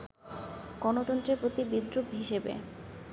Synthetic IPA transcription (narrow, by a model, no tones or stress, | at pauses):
ɡ̥ɔnot̪ɔnt̪ɾepɾot̪ibid̪ɾubɦiʃebḛ